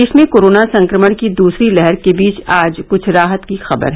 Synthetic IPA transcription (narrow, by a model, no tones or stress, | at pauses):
ʃmẽkoːɾoːnasɐ̃ŋkɾəməɽ̃kid̪uːsɾilɛɦɛɾkebiːt͡ʃaːd͡ʒkʊt͡ʃʰɾaːɦət̪kixɐbə̰ɾɦ